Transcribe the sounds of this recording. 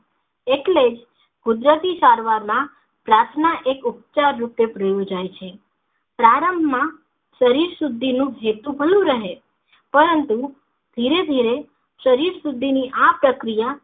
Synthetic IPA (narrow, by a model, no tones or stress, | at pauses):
eʈled͡ʒ | ɡ̥ʊd̪ɾət̪isaɾʋaɾmã | pɾaɾt̪ʰnaʔekupt͡ʃaɾːupepɾəjud͡ʒajt͡ʃʰe | pɾaɾəmbʱmã | ʃəɾiɾsud̪ʱːinũɦet̪ũbʱəlũɾəɦe | pəɾənt̪u | d̪ʱiɾed̪ʱiɾe | ʃəɾiɾsud̪ʱːiniʔapɾəkɾija